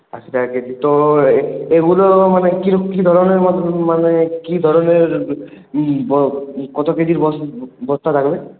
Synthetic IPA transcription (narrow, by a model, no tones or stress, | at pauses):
asit̪aked̪it̪ɔ | eɡulɔmanekiɾɔkid̪ʱɔɾɔneɾmɔmanekid̪ʱɔɾɔneɹ | bkɔt̪ɔked̪iɾbɔbɔst̪ʰat̪ʰakɔbe